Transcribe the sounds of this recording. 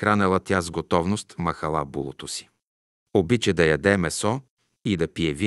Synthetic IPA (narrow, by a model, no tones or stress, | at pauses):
xɾanɛlˠɐt̪jazɡot̪ɔvnost̪mɐxɐlˠa̰bṵlˠot̪osi̥ | obit͡ʃɛd̪ɐjɐd̪ɛmɛsɔ | id̪ɐpiɛvi